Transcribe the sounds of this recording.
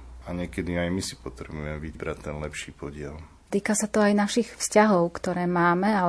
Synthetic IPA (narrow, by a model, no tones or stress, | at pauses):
aɲɪɛkɛd̪iajmisi̥pɔt̪ɾɛbujɛmɛʋibɾatt̪ːɛnlɛpʃiːpɔɟɪɛl | t̪iːkasat̪ɔajnaʃixfscaɦɔʊkt̪ɔɾɛːmaːmɛa